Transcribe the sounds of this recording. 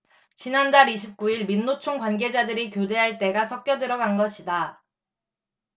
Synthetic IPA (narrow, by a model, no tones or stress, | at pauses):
t͡ɕinandaɾiɕʰip̚k͈uiɭminːot͡ɕʰoŋkwanɡe̞d͡ʑadɯɾikjode̞ɦaɭt͈e̞ɡasʰʌk̚k͈jʌdɯɾʌɡanɡʌɕʰida